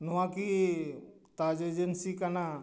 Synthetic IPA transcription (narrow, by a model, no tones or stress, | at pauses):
noʋãki | t̪aːd͡ʒeːd͡ʒensikana